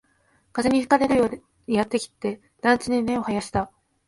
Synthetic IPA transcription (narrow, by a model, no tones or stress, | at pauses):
kaze̞ɲ̟iɸɯ̟̥kaɾe̞ɾɯ̟jo̞ː | ɲijat̪ːe̞kʲi̥t̪ːe̞ | d̪̥ãnt͡ɕɨɲ̟ine̞o̞hajaɕi̥t̪a